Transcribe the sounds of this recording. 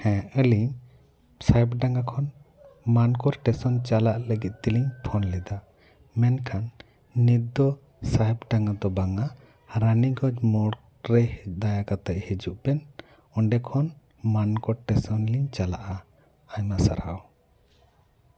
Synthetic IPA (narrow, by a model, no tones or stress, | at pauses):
hɛ̃ʔəliɲ | saɛpɖaŋɡakʰɔn | mankɔɾʈɛsɔnt͡ʃalaʔləɡit̪̚ˀt̪iliɲpʰɔnlɛd̪a | mɛnkʰanː | id̪ɔ | saɛpɖaŋɡad̪ɔbaŋa | ɾaniɡɔd͡ʒmɔɽ | ɾɛd̪ajakat̪aʔ̚hid͡ʒuʔpɛn | ɔɳɖɛkʰɔn | mankɔʈɛsɔnliɲt͡ʃala̰ʔaː | ɲmasa̰ɾha̰w